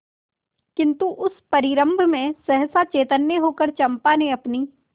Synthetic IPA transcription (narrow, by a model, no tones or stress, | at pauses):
kɪ̃nt̪uʔʊspɐɾɪɾə̃mbʱmẽsɛɦsat͡ʃeːt̪ənjəɦoːkəɾt͡ʃɐ̃mpanẽɐpniː